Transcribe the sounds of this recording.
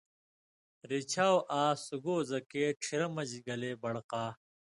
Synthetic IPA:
ɾit͡ɕʰaːwʔaːsuɡoːzɐkeːʈ͡ʂʰiɾɐmɐd͡ʑɡɐleːbɐɽqaː

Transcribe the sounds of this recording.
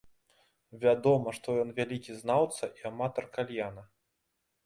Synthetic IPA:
vʲad̪ɔmɐʂt̪ɔjɔnvʲalʲikʲiznawt̪sɐʔiamat̪ɐrkalʲjanɐ

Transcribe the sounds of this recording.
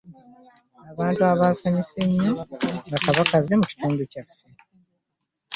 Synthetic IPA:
aβaːntuaβaːsaɲiseɲːoŋɡakaβakaze̞muci̥tuːnducafːe

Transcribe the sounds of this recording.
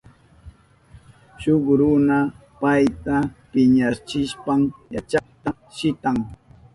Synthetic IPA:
ʃoχɾʊna | pajt̪apɪɲat͡ʃɪʃpamja̰t͡ʃɑχt̪a | ʃɪt̪aŋ

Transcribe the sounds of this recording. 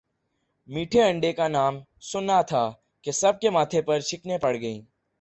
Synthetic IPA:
miːʈʰeɐ̃ɳɖekanaːm | sʊnat̪ʰa | kesɐb̚kemaːt̪ʰepɐɾʃɪknepɐɽɡɐĩː

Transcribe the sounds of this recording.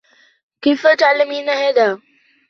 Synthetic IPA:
kifəʈaːlmiːnaɦeːd̪aː

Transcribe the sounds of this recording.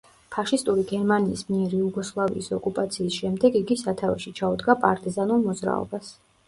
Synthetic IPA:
pʰaʃist̪ʼuɾiɡɛɾmaniːsmiɛɾiuɡɔslˠavḭːsɔkʼupʼat̪sʰiːsʃɛmd̪ɛɡiɡisat̪ʰavɛʃit͡ʃʰaud̪ɡapʼaɾt̪ʼizanulˠmɔd̪zɾa̰ɔ̰bas

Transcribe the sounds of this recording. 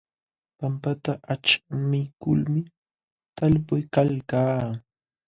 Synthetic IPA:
pampat̪aʔat͡ʃmɪkʊ̰lmɪ | t̪alpʊjkalkaː

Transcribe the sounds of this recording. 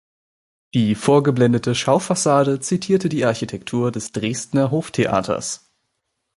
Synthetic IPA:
d̥iːfoːɐɡəblɛndətʰəʃaʊfasaːdət͡sitʰiːɐtədiːʔaɐçitʰɛktʰuːɐdɛsd̥ʁeːstnɐɦoːftʰeʔa̰ːtʰɐ̰s

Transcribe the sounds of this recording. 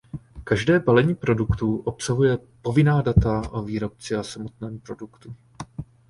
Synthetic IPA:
kaʒdɛːbalɛɲiːpɾo̞dukt̪uʔo̞psaɦujɛpo̞vɪnaːdat̪aʔoviːɾo̞p̚t͡sɪasamo̞t̪̚nɛːmpɾo̞dukt̪u

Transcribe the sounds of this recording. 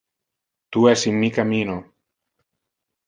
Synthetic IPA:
t̪uɛsimːikamino

